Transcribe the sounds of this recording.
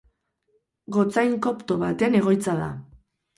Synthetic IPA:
ɡo̞t͡sajŋko̞pt̪o̞βat̪e̞ne̞ɣ̞o̞jt͡saða̰

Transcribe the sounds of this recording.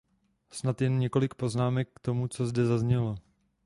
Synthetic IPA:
snat̪jɛnɲɛko̞lɪkpo̞znaːmɛkːt̪o̞mut͡so̞zdɛzazɲɛlo̞

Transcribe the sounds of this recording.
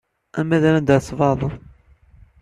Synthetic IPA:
æmæðælænd̪əsvɑðˤ

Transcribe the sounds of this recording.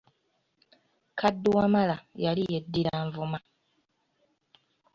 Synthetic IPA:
kʰadːuwamalajalijedːiɾaɱvuma

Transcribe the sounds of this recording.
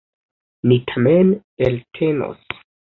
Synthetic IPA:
nitʰamen | eltʰeno̰s

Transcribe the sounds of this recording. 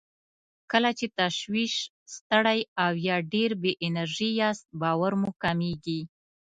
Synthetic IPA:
kəlat͡ʃet̪aʃwiʃ | st̪əɽajawjɑɖeɾbeʔɪnaɾʒijɑst̪̚bɑwaɾmukameɡi

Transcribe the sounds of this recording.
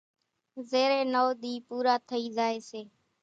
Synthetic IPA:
zeːɾeːnoːɗ̪iːpuːɾaːt̪ʰəiːzaːeːseː

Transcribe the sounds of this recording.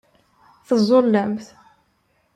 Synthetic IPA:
θəzˤolːəmθ

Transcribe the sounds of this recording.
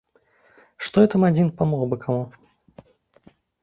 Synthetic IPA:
ʂt̪ɔɛt̪ɐmad͡zʲinpamɔɣbɨkʰamu

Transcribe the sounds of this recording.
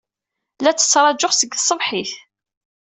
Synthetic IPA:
læt͡sːə̥t͡sːɾˤɑd͡ʒʊχsəɡəsˤːəvħiθ

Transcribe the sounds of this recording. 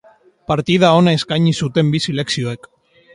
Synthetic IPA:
paɾt̪ið̞ao̞naeskajɲisut̪e̞mbisile̞ksio̞ek

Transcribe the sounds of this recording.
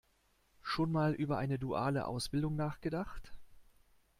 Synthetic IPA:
ʃoːnmaːlʔyːbɐʔaɪnəduʔa̰ːlə̰ʔa̰ʊsb̥ɪldʊŋnaːχɡ̥ədaχt

